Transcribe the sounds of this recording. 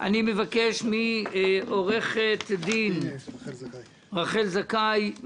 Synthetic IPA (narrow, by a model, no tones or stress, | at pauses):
ʔa̰nimevakeʃmiʔoʁeχet̪d̪in | ʁaχelzakaj